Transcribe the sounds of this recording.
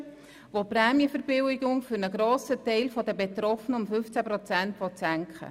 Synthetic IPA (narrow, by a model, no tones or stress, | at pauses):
ʋopɾɛːmjəfəɾbɪwɪɡʊŋfyɾnəɡɾoːsətɛɪlfɔd̪əbɛt̪ɾɔfənəʊmfʏft͡sæpɾɔt͡sænt̪ʋɔt̪sæŋkχə̰